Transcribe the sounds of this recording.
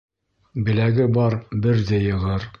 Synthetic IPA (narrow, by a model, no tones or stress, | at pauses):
bɘ̆læɡɘbɒɾbɘɾd̪æjɤ̆ʁɤɾ